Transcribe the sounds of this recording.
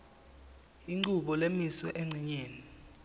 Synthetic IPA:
iŋ͡ǃuɓɔlemiswɛʔeŋ͡ǀʱiɲeːni

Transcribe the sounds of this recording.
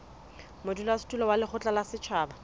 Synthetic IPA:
mʊdulastʼulɔwalɪχʊt͡ɬʼalasɪt͡ʃʰaːba

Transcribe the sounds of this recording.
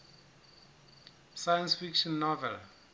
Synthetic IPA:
sajə̃nsfikʃɔ̃nːɔvɛ̰l

